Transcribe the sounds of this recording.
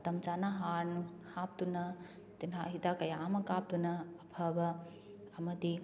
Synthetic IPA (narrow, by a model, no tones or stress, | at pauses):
t̪ɐmt͡ʃanaɦaːɾnuhaːp̚t̪unɐ | t̪inɦaɦit̪akɐjaːmɐkaːp̚t̪unɐɐbʰʱɐʋɐ | ɐmɐt̪i